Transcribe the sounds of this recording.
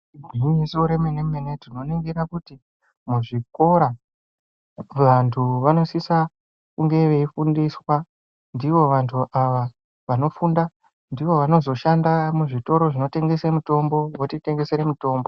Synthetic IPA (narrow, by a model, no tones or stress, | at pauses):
ɡʱimisoɾe̞menemmenetino̞neŋɡeɾakuti | muʐiko̞ɾa | ʋantʰuʋano̞sisa | kuŋɡe̞ʋe̞ifundiswa | ndiʋo̞ʋantʰuʔaʋa | ʋano̞funda | ndiʋo̞ʋano̞zo̞ʃandamuʐito̞ɾo̞ʐino̞te̞ŋɡe̞semuto̞mbo̞wotite̞ŋɡe̞seɾemuto̞ːmbo̞